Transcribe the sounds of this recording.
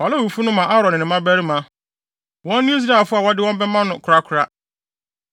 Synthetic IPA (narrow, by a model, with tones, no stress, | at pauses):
fa˨la˦˨u˨fu˦nʊ̃˦mã˨ʔa˦ɾɔ̃˨nɪ̃˨nɪ̃˨mã˦bæ˦ɾi˦mã˦ | wɔ̃˦nː˦ɪ̃˦i˦s̬i˦na˨fʊ˦a˨wɔ˦dɪ˦wɔ̃˦m˦bɛ˦mã˦nʊ̃˨kʰɾa˦kʰʊ˨ɾa˦